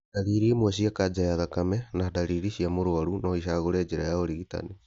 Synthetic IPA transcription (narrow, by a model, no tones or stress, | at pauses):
daɾiɾiemwaɕiakad͡ʒajaðakamɛnadaɾiɾiʃiamoɾoaɾunɔiʃaɣoɾɛːd͡ʒeɾajaoɾiɣita̰ni